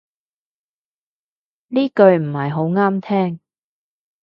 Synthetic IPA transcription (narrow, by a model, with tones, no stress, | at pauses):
niː˥kɵ˧ɥm̩˨˩hɐ˨jɦo˨˥wŋaː˥mt̪ʰɛː˥ŋ